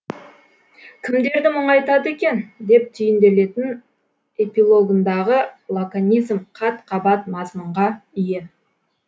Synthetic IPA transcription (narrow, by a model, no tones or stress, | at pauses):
kʲʰɪmd̪e̞ɾd̪ɪmʊɴɑjt̪ɑd̪əe̞kʲe̞nd̪e̞p̚t̪ʰʏjɪnd̪e̞le̞t̪ɪn | e̞pilˠo̞ɡənd̪ɑʁəlˠokanʲijzmqʰɑt̪qʰɑbɑt̪mɑzməɴʁɑʏje